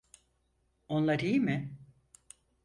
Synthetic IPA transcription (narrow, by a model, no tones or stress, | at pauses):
o̞nlˠaɾijmɪ